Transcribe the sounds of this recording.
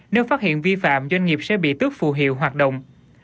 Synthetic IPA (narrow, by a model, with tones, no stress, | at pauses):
ne˧wfaː˦˥t̚hḭ˧˨ənvi˧fa̰ː˧˨mzwa˧jŋ̟ŋi˨˩əp̚sɛ̰˧˥ɓḭ˧˨t̪ɨ˦˥ək̚fu˧˩ɦḭ˧˨əwɦwaː˨˩t̚ɗo̰˧˨wŋ͡m